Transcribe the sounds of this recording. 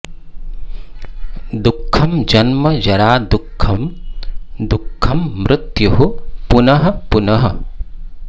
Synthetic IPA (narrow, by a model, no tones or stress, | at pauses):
d̪ukʰːɐmd͡ʒɐnmɐjɐɾaːd̪ukʰːɐm | d̪ukʰːɐmːɾɪt̪juɦupunɐɦɐpunɐɦɐ̰